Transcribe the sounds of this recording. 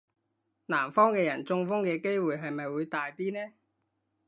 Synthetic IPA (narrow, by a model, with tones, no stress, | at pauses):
naː˨˩mfɔː˥ŋkɛː˧jɐ˨˩nt͡sʊ˧ŋfʊ˥ŋkɛː˧ke˥jwuː˨jɦɐ˨jmɐ˨jwuː˨˧jt̪aː˨jt̪iː˥nɛː˥